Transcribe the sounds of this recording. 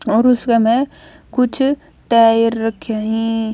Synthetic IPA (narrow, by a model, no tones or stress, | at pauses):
ɔːɾʊskamɛ̃ | kʊt͡ʃʰ | ʈaːjəɾːɐkʰjaɦĩ